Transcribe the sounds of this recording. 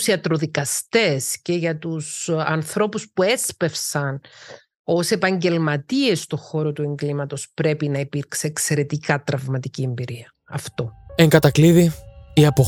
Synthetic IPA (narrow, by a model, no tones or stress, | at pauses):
siɐt̪ɾoðikɐst̪e̞sce̞ʝɐt̪usɐnθɾo̞puspue̞spe̞fsɐn | o̞se̞pɐɲɟe̞lmɐt̪ie̞st̪o̞xo̞ɾo̞t̪ue̞ŋɡlimɐt̪o̞spɾe̞pinɐipiɾkseːkse̞ɾe̞t̪ikɐt̪ɾɐvmɐt̪icie̞mbiɾiɐ | ɐft̪o̞eŋɡɐt̪ɐkliðiiɐpo